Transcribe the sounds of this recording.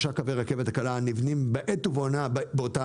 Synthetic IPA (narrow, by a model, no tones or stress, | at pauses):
ʃakaveʁake̞vet̪hakalanivnimbeʔet̪uvonabeota